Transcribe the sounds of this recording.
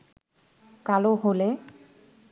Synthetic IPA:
kaloɦolɛ

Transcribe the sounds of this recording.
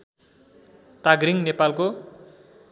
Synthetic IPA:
t̪aɡɾiŋnepalko

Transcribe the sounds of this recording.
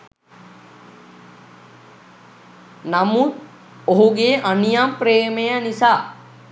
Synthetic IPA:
namut̪̚ | oɦuɡeːʔanijampɾeːmejənisaː

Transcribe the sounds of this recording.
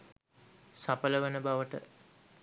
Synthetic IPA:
sapələʋənəbaʋəʈə̰

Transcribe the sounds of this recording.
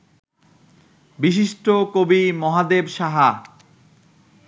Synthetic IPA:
biʃ̬iʃʈokobimɔɦad̪ebʃaɦa

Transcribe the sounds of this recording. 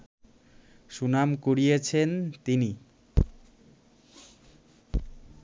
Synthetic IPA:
ʃunamkoɽijet͡ɕʰent̪ini

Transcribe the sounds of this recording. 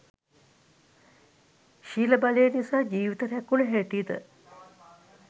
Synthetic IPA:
ʃiːləbalejːnisaːd͡ʒiːʋit̪əɾɛkːuləɦæʈid̪ə̰

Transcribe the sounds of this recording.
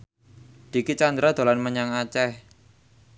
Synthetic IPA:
d̪̥i̤kit͡ʃand̪ɾad̪̥o̤lanməɲaŋat͡ʃɛh

